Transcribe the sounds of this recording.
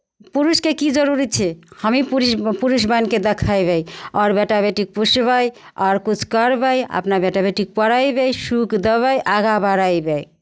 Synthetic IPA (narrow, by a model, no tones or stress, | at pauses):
puɾuskekid͡ʒəɾuɾit͡ʃʰɛhəmipuɾipuɾus̬banked̪ekʰajbejɔɾbeʈabeʈik̚pusbəj | ɔɾkut͡ʃʰkəɾbəjə̰pnabeʈabeʈik̚pəɾajbejsukd̪əβəjʔaɡabaɾajbej